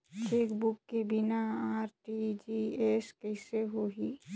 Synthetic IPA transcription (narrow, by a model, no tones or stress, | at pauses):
t͡ʃeːkbʊkːebɪnaaːɾʈid͡ʒieskɛɪseɦoɦi